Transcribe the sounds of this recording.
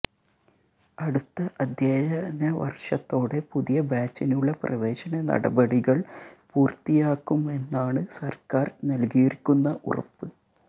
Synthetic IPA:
ɐɽut̪ːɐʔɐd̪ʱjeːɐnɐʋɐ̰rʂɐt̪ːo̞ːɽe̞puðijɐbaːt͡ɕːinuɭːɐprɐ̰ʋe̞ːɕɐnɐnɐ̰ɽɐbɐɽiɣɐɭpuːrt̪ːijaːkːume̞nːaːɳɨsɐrkaːrnɐlɡijiɾikʲːunːɐʔurɐ̰pːɨ

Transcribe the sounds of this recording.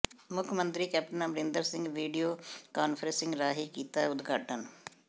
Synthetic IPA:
mʊkʰmə̃nt̪ɾiːkɛːp̚ʈənaːməɾɪ̃nd̪əɾsɪ̃ŋɡʋiːɖijoːkaːnpʰəɾə̃sɪ̃ŋɡɾaːɦiːkiːt̪aɛʊd̪ɡʱaːʈən

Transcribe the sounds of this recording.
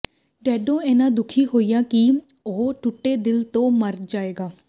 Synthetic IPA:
ɖɛːɖõːɛːnãːd̪ʊkʰiːɦoːijãːki | oʈʊʈːeːd̪ɪlt̪õːməɾd͡ʒaːeːɡaː

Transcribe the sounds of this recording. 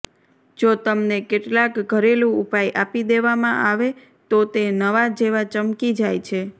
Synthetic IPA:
d͡ʒot̪əmnekeʈlakɡʱəɾelũupajʔapid̪eʋamã̰ʔaʋe | t̪ot̪enəʋad͡ʒeʋat͡ʃəmkid͡ʒajt͡ʃʰe

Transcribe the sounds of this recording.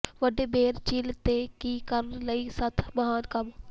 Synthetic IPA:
ʋəɖeːbeːɾt͡ʃilt̪ekikəɾnləisət̪ʰmɐɦaːnkɐm

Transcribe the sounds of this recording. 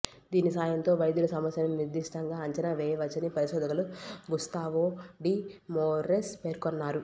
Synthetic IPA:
d̪iːnisaːjɐnt̪o̞ːʋɐjd̪julɐsɐmɐsjɐnɐmniɾd̪iʂʈɐŋɡaːɐɲt͡ʃɐnaʋɛːjɐʋɐt͡ʃːɐnipɐɾiʃɔːd̪ɐkɐluɡust̪aːʋoːɖiːmoːɾespeːɾkonːaːɾu

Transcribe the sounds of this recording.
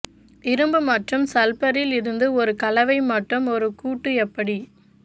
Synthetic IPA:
ɪɾɯmbɯmɐʈrɯmsɐlpɐɾɪlɪɾɯnd̪ɯɔɾɯkɐlɐʋɐɪmɐʈrɯmɔɾɯkuːʈːɯɛpːɐɽi

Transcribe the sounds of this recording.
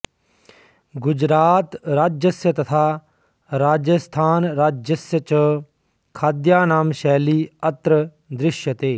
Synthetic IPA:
ɡʊd͡ʒɾaːt̪ɾaːd͡ʒəsjət̪ɐt̪ʰaː | ɾaːd͡ʒəst̪ʰaːnɾaːd͡ʒəsjət͡ʃə | kʰaːd̪jaːnaːmʃɛːliːət̪ɾə | d̪ɾɪʃjət̪eː

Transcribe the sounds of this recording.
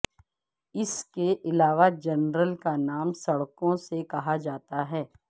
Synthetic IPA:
ɪskeʔɪlaːʋad͡ʒɐnɾəlkanaːmsɐɽkõsekɐɦad͡ʒaːt̪aɦɛː

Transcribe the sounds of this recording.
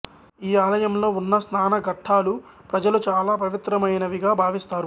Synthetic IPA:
iːaːlɐjɐmlo̞ːunːɐsnaːnɐɡʱɐʈʰːaːlu | pɾɐd͡ʒɐlut͡ʃaːlaːpɐʋit̪ɾɐmɐjnɐʋiɡaːbʱaːʋist̪aːɾu

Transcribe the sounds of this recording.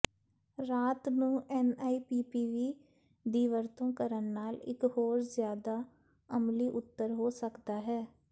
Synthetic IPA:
ɾaːt̪nũːʔɛːnaːiːpiːpiːʋiː | d̪iːʋəɾt̪õːkəɾənːaːlɪ̰kɦoːɾzjaːd̪aː | əmliːʔʊt̪ːəɾɦoːsəkd̪aːɦɛː

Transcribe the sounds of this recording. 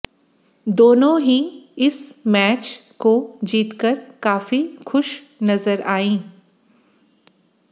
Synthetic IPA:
d̪oːnõɦiɪsmɛːt͡ʃkod͡ʒiːt̪kəɾkaːfixʊʃ | nɐzəɾaːĩː

